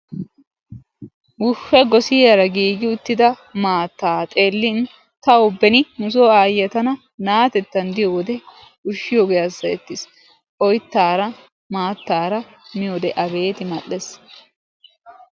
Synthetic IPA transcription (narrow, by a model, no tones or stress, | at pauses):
wʊʃːɐɡɔsɪjɐɾɐɡiːɡɪʊt̪ːɪd̪ɐ | maːt̪ːaːt̪ʼeːlːɪn | t̪ɐɔbːɛnɪmʊsoːaːjɐt̪ɐnɐ | naːt̪ɛt̪ːɐnd̪ɪjowɔd̪ɛ | ʊʃːɪjoɡɛjɐsːɐɛt̪ːɪs | ʔɔjt̪ːaːɾɐ | maːt̪ːaːɾɐ | mɪjod̪ɛʔɐbe̞ːt̪ɪmɐʔɛs